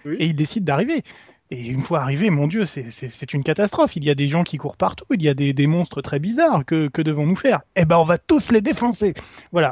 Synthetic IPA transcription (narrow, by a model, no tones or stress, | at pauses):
eild̪esid̪ːaʁive | eynfwaːʁivemɔ̃d̪jøsɛsɛsɛt̪ynkat̪ast̪χɔfilijad̪eʒɑ̃kʲikuʁpaʁt̪uiljad̪ed̪emɔ̃st̪χət̪χɛbizaʁkəkəd̪əvɔ̃nufɛːʁebaɔ̃vat̪usled̪efɑ̃sevwala